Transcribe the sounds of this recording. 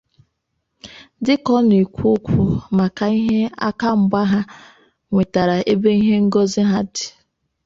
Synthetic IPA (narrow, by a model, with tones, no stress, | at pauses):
dɪ˦kɔ˦n˨i˨kʷʊ˦kʷʰu˨ma˨ka˨i˦ɦe˦a̰˦ka˦m̩˨ɡ͡ba˦ɦa˦ | ŋʷe˨ta˨ɾa˨e˦be˦i˦ɦe˦ŋ̩˦ɡɔ˦zɪ˦ɦa˦dɪ̥˨